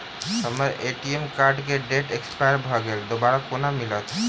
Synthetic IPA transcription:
ɦɔmaɾeʈiemkaɾɖkeɖeʈekspajaɾbʱɔɡeld̪obaɾɔkonamilɔt̪ʰ

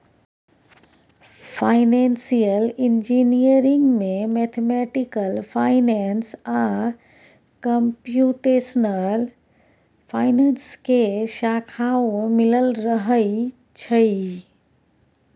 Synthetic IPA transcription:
fʰaːɪnẽːnsijəlɪnd͡ʒinijəɾɪ̃ŋɡmẽmet̪ʰemɛʈɪkəlfʰaːɪnɛnsã | kəmpjuːʈesənəl | pʰaːɪneːnskeʃakʰawmɪləlɾəɦəi | t͡ʃʰəi

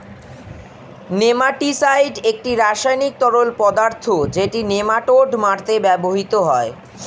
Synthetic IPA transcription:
nemaʈisajɖek̚ʈiɾaʃajnik̚t̪ɔɾolpɔd̪aɾt̪ʰod͡ʑeʈinemaʈoɖmaɾt̪ebɛboɦit̪oɦɔe

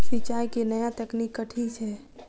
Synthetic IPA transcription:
sɪt͡ʃaːjkenəjat̪əknikːəʈʰit͡ʃʰɛː

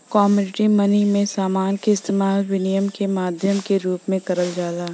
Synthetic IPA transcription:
kɔːmuːɖɪʈimɐnimẽsaːmaːnkeɪst̪eːmaːlʋɪnijəmkemaːd̪ʱjəmkeɾuːpmẽkɐɾəld͡ʒaːlaː

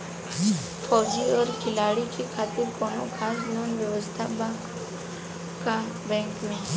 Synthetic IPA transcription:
fʰɔd͡ʒiəɾkʰɪlaɽikʰikʰat̪ɪɾkɔnokʰasnonʋjəʋəst̪ʰab | ka | bɛ̃ŋkmĩ

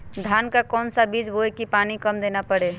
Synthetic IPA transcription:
d̪ʱankakɔnsabid͡ʒboekipanikəmd̪enapəɽe

